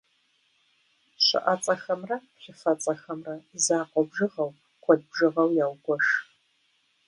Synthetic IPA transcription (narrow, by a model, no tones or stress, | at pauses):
ɕɨ̰ʔɐt͡sʼɐxɐmrɐɕɪfɐt͡sʼɐxɐmrɐzaːqʷʼɔbʒɨʁɐw | qʷɔd̚bʒɨʁɐwjaːwɡʷɔʂ